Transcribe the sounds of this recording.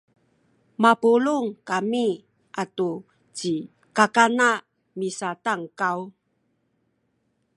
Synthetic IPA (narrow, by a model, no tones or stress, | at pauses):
mapuluŋkami | ʔatu | t͡ɕi | kakana | misataŋkaw